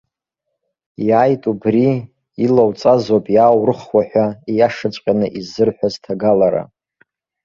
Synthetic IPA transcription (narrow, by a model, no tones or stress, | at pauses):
jaːjtʼubriː | lawt͡sʼazopʼjawrɨχwaħʷᶣaijaʂat͡ʃʷʼqʲʼanɨʔizɨrħʷᶣaztʰaɡalaɾa̰